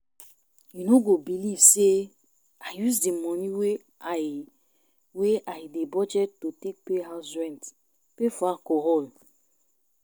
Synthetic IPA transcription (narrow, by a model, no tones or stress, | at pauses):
jinoɡobilivse | ajus̬demɔniwe | a | weʔajidebɔd͡ʒɛttːotek̚peɦazwɛ̃nt | pefɔakɔɦɔl